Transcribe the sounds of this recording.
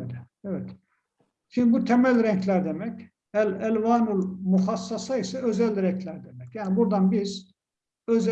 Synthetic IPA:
ɛvɛt̪ | t͡ʃʰind̪ibut̪ʰɛmælʲɾɛɲcʰlʲæɾd̪emɛc | ælælʲvaːnulˠmuxɑsːɑsɑisɛøzælʲɾɛɲcʰlʲæɾd̪emɛcjæːnibuɾd̪ɑnbiz̥ | øz

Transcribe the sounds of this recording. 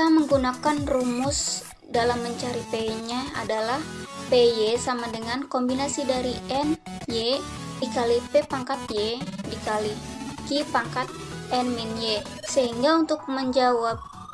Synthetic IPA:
taməŋɡunakanrumʊs | dalamːəɲt͡ʃaɾipeɲaa̰dalahpejesamadəŋankombinasidaɾiʔɛnje | dikalipepaŋkat̪̚jedikalikipaŋkat̪̚ɛnminje | səɦiŋɡaunt̪ʊk̚məɲd͡ʒawap̚

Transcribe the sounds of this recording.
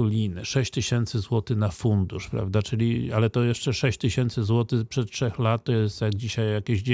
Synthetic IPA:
ulʲinɛ̰ʂɛɕt͡ɕt̪ɘɕɛnt̪sɘzwɔt̪ɘnafund̪uʂpɾa̰vd̪at͡ʂɘlʲialɛt̪ɔjɛʂt͡ʂɛʂɛɕt͡ɕt̪ɘɕɛnt̪sɘzwɔt̪ɘpʂɛt̪̚tʂɛxlat̪̚t̪ːɔjɛst̪jaɡ̚d͡ʑiɕajːakʲeɕd͡ʑ

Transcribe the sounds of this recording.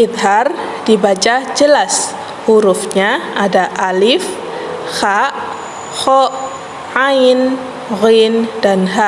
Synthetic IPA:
it̪ɦar | dibat͡ʃad͡ʒəlas | huɾufɲaadaʔalif | xaʔ | xɔʔ | ain | ɣindanɦa

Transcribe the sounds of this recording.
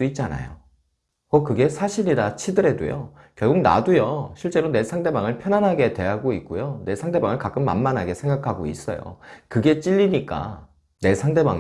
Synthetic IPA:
it̚t͡ɕ͈ana̰jo̰ | kʌkɯɡe̞sʰaɕʰiɾiɾat͡ɕʰidɯɾe̞do̰jo̰ | kjʌɭɡuɡ̚na̰dujʌɕʰiɭt͡ɕ͈e̞ɾone̞sʰaŋde̞baŋɯɭpʰjʌnanɦaɡe̞twe̞ɦaɡoik̚k͈ojone̞sʰaŋde̞baŋɯɭkak͈ɯmːa̰nmanɦaɡe̞sʰe̞ŋɡakʰaɡo̰ḭs͈ʌ̰jo̰kɯɡe̞t͡ɕ͈iʎːiɲik͈a̰ | ne̞sʰaŋde̞ba̰ŋ

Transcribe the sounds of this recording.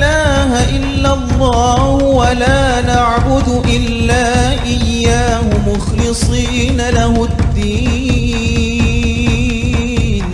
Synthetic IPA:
laːhaʔɪlːalˤːɑːhʊwalaːnaʕbʊd̪ʊʔɪlːaːʔɪjːaːhʊmʊxlɨsˤiːnalahʊd̪ːiː | n

